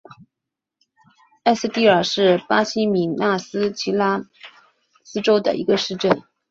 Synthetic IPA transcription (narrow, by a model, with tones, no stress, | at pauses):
a˥˧s̩˧t̪i˥˩ə˞˨˩ʂɻ̩˥˩pa˥ɕi˥mi˧˩na˥˩sɹ̩˥t͡ɕʰi˧˥la˥ | sɹ̩˥ʈ͡ʂo˥ʊd̪ə̰˨ʔḭ˧˥ɡə˧ʂɻ̩˥˧ʈ͡ʂə˥˩n